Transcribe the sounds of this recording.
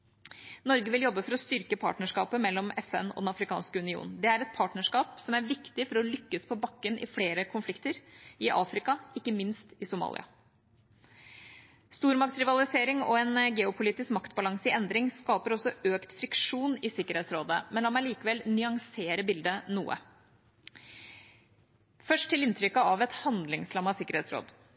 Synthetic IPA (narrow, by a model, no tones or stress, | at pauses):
nɔɾɡəʋɪljɔbːəfɔɾɔst̪ʏɾkəpʰɑ̰ːʈnəʂkɑːpəmɛlːɔmɛfɛ̰nɔ̰d̪ɛnɑfɾɪkʰɑ̰ːnskəʉnɪṵːnn̩d̪ɛæɾɛt̪̚pʰɑːʈnəʂkɑːpsɔmæɾʋɪkt̪ɪfɔɾɔlʏkːəspʰɔbɑkːənʔɪ̰fleːɾəkʰʊnflɪkt̪əɾɪʔɑ̰ːfɾɪkɑɪkːəmɪnst̪ɪsʊmɑ̰ːlɪ̰ɑ̰ | st̪uːɾmɑk̚t̪sɾɪʋɑlɪseːɾɪŋɔ̰ɛnɡɛːʊpʰʊliːt̪ɪskmɑkt̪bɑlɑŋsəɪɛnd̪ɾɪŋskɑːpəɾɔsːɔʔøːkt̪fɾɪkʂuːnɪsɪkːəɾheːt̪sɾoːd̪əmɛnɑmːæɾɭiːkəʋɛlnʏɑŋseːɾəbɪld̪ənṵːə̰ | fœʂʈʰːɪlɪnt̪ʰɾʏkːəɑʋɛt̪hɑnd̪lɪŋslɑmːɑsɪkəɾheːt̪sɾo̰ːd̪